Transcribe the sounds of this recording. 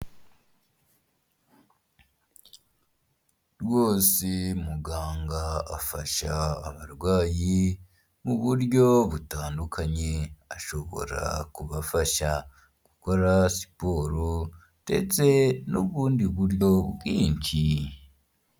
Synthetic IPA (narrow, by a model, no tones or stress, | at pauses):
ɾwo̞ːsimuɡaːŋɡaafaʃa̰ːβaɾwaːji | muβuɾjo̞βutaːndukʰaɲe̞aʃo̞βo̞̰ɾa̰kuβafaʃa | ɡ̥uko̞ɾasi̥po̞ːɾo | d̥e̞̰t͡se̞nuβuːndiβuɾjo̞ɡiːɲci